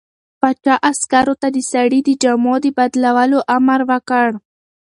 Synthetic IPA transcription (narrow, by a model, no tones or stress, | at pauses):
pat͡ʃɑʔaskaɾot̪ad̪əsaɽid̪əd͡ʒamod̪əbad̪lawaloʔamaɾwəkəɽ